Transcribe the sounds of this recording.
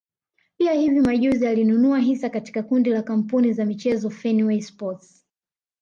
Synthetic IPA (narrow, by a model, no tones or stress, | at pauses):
piahivimaʄuzialinunuaɦisakati̥kakundilakam̩punizamit͡ʃɛzɔfɛnwɛispɔts